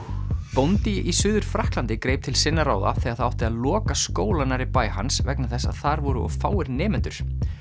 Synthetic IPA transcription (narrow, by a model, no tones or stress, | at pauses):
pownt̪iʔisʏːðʏɾ̥fɾahklant̪ɪkɾeːjp̚t̪ʰɪlsɪnːaɾaːwða̰θɛaðθaawht̪ɪaðlɔːkaskoːwlanaɾipaːjha̰nsvɛknaθɛsːa̰ðθaɾvɔɾʏɔ̰fa̰ːwɪɾnɛːmɪnt̪ʏɾ̥